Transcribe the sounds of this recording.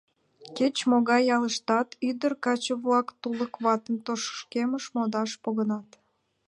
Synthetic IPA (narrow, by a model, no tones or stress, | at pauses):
ket͡ɕmoɣɑjɑləʃt̪ɑt̪yd̪ərkɑt͡ɕəβlɑkt̪uləkβɑt̪əmt̪oʃə̥ʃkeməʃmod̪ɑʃpoɣənɑt̪